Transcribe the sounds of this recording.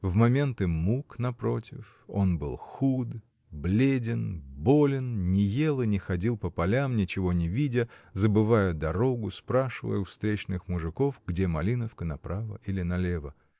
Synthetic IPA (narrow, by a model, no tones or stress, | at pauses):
vmɐmʲe̞nt̪ɨmuknɐpɾo̞tʲɪf | o̞̰nbɨ̰lˠxud̪ | blʲedʲɪnbo̞lʲɪnnʲɪje̞lˠɨnʲɪxɐdʲilˠpəpɐlʲamnʲɪt͡ɕɪvo̞nʲɪvʲidʲəzəbɨvajʊd̪ɐɾo̞ɡʊspɾaʂɨvə̰jʊfst̪ɾʲet͡ɕnɨxmʊʐɨko̞fɡdʲemɐlʲinəfkənɐpɾavə̰ʔilʲɪnɐlʲevə